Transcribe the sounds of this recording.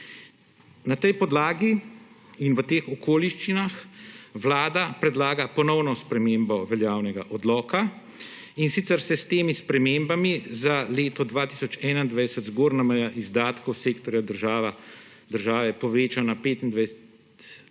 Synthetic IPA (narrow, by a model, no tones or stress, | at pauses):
nat̪ɛjpɔd̪laːɡi | inʋət̪eːxɔkoːliʃt͡ʃinaxʋlaːd̪apɾɛd̪laːɡapɔnɔwnɔspɾɛmeːmbɔʋɛljaːwnɛɡaʔɔd̪lɔːka | insit̪sɛɾsɛst̪eːmispɾɛmembamizaleːt̪ɔd̪ʋaːt̪isɔt͡ʃɛːnaind̪ʋajsɛt̪zɡoːɾnamɛjaʔizd̪aːt̪kɔwseːkt̪ɔɾjad̪əɾʒaːʋa | d̪əɾʒaːʋɛpɔʋeːt͡ʃanapeːt̪ind̪ʋajs | t̪